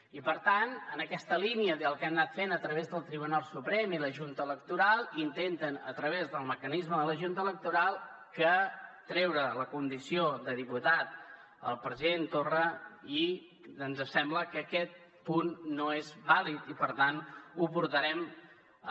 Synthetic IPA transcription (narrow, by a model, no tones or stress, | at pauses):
ipəɾt̪anənəkɛst̪əliniəðəlˠkɛmnat̪fenət̪ɾəβezðəlˠt̪ɾiβunalˠsupɾɛmiləʒunt̪əːlək̚t̪uɾalˠint̪ent̪ənə̰t̪ɾəβ̞ezðəlˠməkənizməðələʒunt̪ələk̚t̪uɾalˠ | kət̪ɾɛwɾələkund̪isioðəðiput̪at̪̚ | ə̰lˠpɾəziðent̪orəi | ənzəsɛmbləkəkɛt̪̚ | punːoezbalit̪ipəɾt̪anupuɾt̪əɾɛm